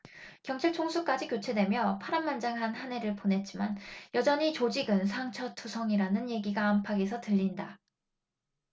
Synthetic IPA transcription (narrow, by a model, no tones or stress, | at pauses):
kjʌŋt͡ɕʰaɭt͡ɕʰoŋsʰuk͈ad͡ʑikjot͡ɕʰe̞dwe̞mjʌpʰaɾammːand͡ʑaŋɦanhane̞ɾɯɭponɦe̞t̚t͡ɕ͈imanjʌd͡ʑʌɲit͡ɕod͡ʑiɡɯnsʰaŋt͡ɕʰʌtʰusʰʌŋiɾanɯnje̞ɡiɡaːmpʰaɡe̞sʰʌtɯʎːinda